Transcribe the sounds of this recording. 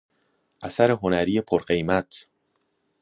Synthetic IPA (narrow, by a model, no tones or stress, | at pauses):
ʔæsæɾeɦo̞næɾiːjepʰoɾɢe̞jmæt̪ʰ